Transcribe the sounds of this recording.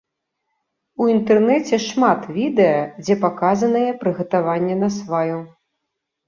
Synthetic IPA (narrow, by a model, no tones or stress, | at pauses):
uint̪ɛrnɛt͡sʲɛʂmat̪vʲid̪ɛjɐd͡zʲɛpakazɐnɐjɛpɾɨɣɐt̪avanʲːɛnɐsvaju